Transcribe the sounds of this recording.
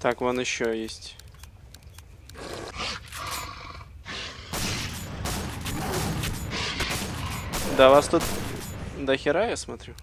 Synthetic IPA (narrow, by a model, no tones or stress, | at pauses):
t̪akvonɪɕːojesʲtʲ | d̪avast̪ut̪ | d̪əxʲɪɾajasmɐt̪ɾʲu